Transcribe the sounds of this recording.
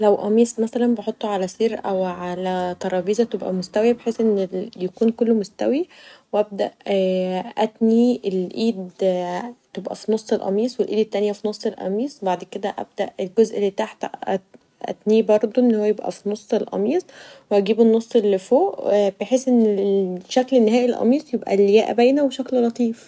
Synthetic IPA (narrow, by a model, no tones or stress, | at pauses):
læwʔɑmiːsˤmæsælænbeħot̪ˤːoʕalæsˤiːɾʔæwʕalæt̪ˤɑɾˤɑːbiːzæt̪ebʔæ̰most̪æwjæbeħeːsʔenːejekuːnkolːomost̪æ̰wiweʔæb̚d̪æ̰ʔ | ʔæt̪nielʔiːd̪ | t̪ebʔæ̰finosˤːelʔɑ̰miːsˤwelʔiːd̪et̪ːænjæfinosˤːelʔɑ̰miːsˤwbaʕd̪ked̪æʔæ̰b̚d̪æʔelɡozʔelːiːbt̪aħt̪æ | ʔæ̰t̪niːbɑɾˤd̪ˤoʔenːhowːæjebʔæ̰finosˤːelʔɑ̰miːsˤweʔæɡiːbenːosˤːelːfoːʔb̥eħesʔenːeʃæklenːehæːʔilʔɑ̰miːsˤjebʔæ̰ljæːʔæ̰bæjnæweʃækllɑt̪ˤiːf